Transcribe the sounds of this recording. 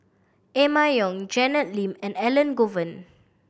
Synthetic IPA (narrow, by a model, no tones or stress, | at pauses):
emajjɔ̃ŋd͡ʒɛnət̚lĩmɛ̃nɛlə̃nɡovə̃n